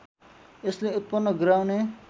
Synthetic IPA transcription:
esleut̪̚pʌnːʌɡɾawne

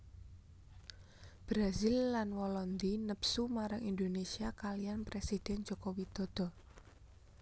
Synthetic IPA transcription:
b̥ɾazilːanwɔlɔnd̪inəpsumaɾaŋind̪onesiakalijanpɾesid̪̥ɛnd͡ʒɔkowid̪̥ɔ̤d̪̥ɔ̤

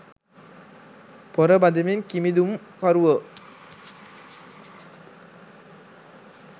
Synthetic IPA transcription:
pɔɾɐbɐnd̪ɐmenkimid̪um | kɐɾuʋɐ

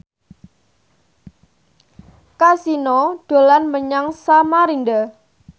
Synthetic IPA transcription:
kasinɔd̥o̤lanməɲaŋsamaɾinɖa

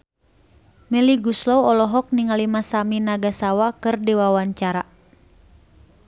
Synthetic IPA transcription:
mɛliɡuslɔwɔlɔɦɔk̚niŋalimasaminaɡasawakɨrdiwawaɲt͡ʃaɾa

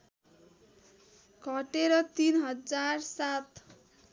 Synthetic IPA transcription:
ɡʱʌʈeɾʌt̪inɦʌd͡zarsat̪

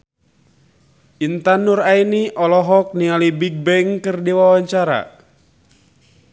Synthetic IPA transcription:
ʔint̪anurainiʔɔlɔɦɔk̚nialibiɡ̚bɛŋkɨrdiwawaɲt͡ʃaɾa̰

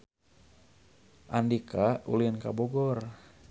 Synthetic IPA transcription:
ʔandikaṵlinkaboɡɔr

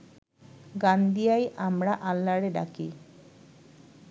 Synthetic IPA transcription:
ɡand̪ijajʔamɾaʔalːaɽeɖa̰ki

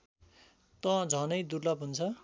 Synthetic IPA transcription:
t̪ʌ̃d͡zʱʌnʌjd̪urlʌpɦunt͡sʰʌ

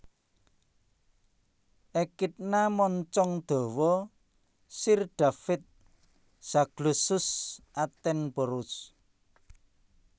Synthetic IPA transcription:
ʔekit̪̚namɔɲt͡ʃɔŋd̪̥o̤wɔ | sirɖ̪̥a̤fɪt̪̚ | saɡ̥lusʊsʔat̪ɛnboɾʊs

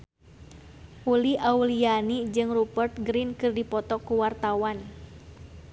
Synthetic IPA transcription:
ʔuliaulianid͡ʒɨŋrubərt̪̚ɡɾinkɨrdipɔt̪ɔkuwart̪awan

